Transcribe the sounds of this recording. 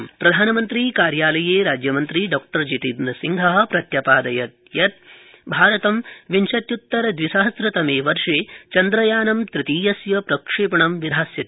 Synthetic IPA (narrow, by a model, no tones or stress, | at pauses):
mpɾɐd̪ʱaːnɐmɐnt̪ɾiːkaːɾjaːlɐjeːɾaːd͡ʒjɐmɐnt̪ɾiɖɔːk̚ʈɐɾd͡ʒit̪id̪nɐsiŋɡʱɐɦɐ̆pɾɐt̪jɐpaːd̪ɐjɐt̪̚ | jɐt̪̚ | bʱaːɾɐt̪ɐmʋinʃɐt̪jut̪ːɐɾɐd̪ʋisɐɦɐsɾɐt̪ɐmeːʋɐɾʂeːt͡ʃɐnd̪ɾɐjaːnɐmt̪ɾɪt̪iːjɐsjɐpɾɐkʂeːpɐɳɐmʋid̪ʱaːsjɐt̪